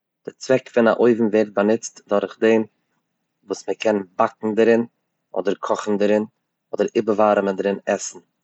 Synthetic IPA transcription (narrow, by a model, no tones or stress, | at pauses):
d̥ɪt͡svɛkfɪna̰ʔoɪvm̩veːɾt̚banɪt͡stdʊɾχdeːn | vuːsməkʰɛnnbak̚ŋ̩dəɾɪn | ɔ̰dəɾkʰɔχn̩dəɾɪn | ɔdəɾɪbəvaːɾəməndɾɪnɛsn̩